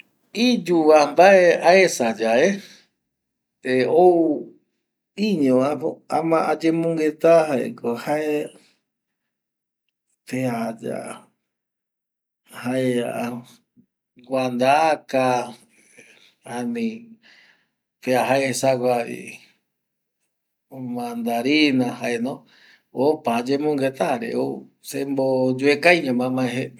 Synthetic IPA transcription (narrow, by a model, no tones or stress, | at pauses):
id͡ʒuʋambaeaesad͡ʒaʔe | eou | iɲõaoamãʔad͡ʒẽmõŋɡet̪aɦaḛkohae | pead͡ʒa̰ | haea | ɡwand̪aka | ãnĩ | peaɦaesaɡʷaḭ | mãnd̪aɾinãɦaʔenõ | opad͡ʒemõŋɡet̪aɾḛosembod͡ʒuekajɲãmãmãẽɦe